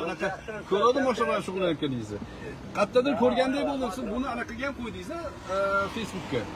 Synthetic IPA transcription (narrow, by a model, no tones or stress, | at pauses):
anɨqɑkʲʰɵɾad̪ɪmɒʃlabɪlanʃʊʁʊlˠajat̪kʲanɪjɪzɪ | qʰɑt̪ːɑd̪ɪɾkʲʰɵɾɡʲand̪ajbolˠmolˠsɪnbʊnɪanɑqʰːɨɡʲajamqʰojd̪ɪzɪ | fe̞jsbʊkʲʰːa